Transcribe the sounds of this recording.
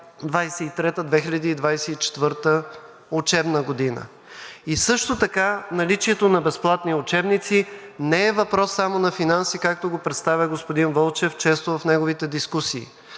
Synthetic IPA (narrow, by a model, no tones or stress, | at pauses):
d̪vajsɛit̪ɾɛt̪əd̪vɛxiʎʲɐd̪iːd̪vajsɛit͡ʃɛ̥t̪vɤɾt̪ə | ʊt͡ʃɛbnəɡod̪inə̰ | isɤʃt̪ot̪ɐkanɐlit͡ʃiɛt̪onɐbɛsplˠat̪niʊt͡ʃɛbnit̪sinɛɛvɐpɾɔsːamonɐfinansikak̚t̪oɡopɾɛt̪st̪avʲəɡospod̪invɔlˠt͡ʃɛft͡ʃɛst̪ovɐfnɛɡovit̪ɛd̪iskusiː